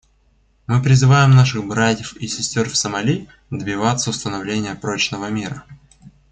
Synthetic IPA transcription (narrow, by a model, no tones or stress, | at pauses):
mɨpɾʲɪzɨvajɪmnaʂɨxbɾatʲjɪfisʲɪsʲtʲorfsəmɐlʲi | d̪bʲɪvat̪səʊst̪ənɐvlʲenʲɪjəpɾot͡ɕnəvəmʲiɾə